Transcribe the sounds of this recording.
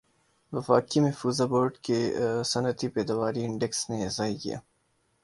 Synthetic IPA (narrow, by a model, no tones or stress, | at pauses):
ʋɐfaːkimɛfuːzaboːɾɖkesɐnət̪ipɛːd̪ɐʋaːɾiɪɳɖeksnezaːikḭja̰ː